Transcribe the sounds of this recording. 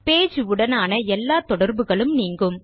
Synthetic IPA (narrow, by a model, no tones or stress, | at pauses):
peːd͡ʒɯɯɽɐnaːnɐɛlːaːt̪ɔɽɐɾbɯɣɐɭɯmniːŋɡɯm